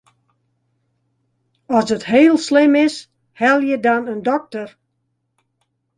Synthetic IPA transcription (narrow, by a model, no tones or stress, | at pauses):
ɔsətɦeːlˠslɪmɪs | hɛlˠjədɔnəndɔk̚tər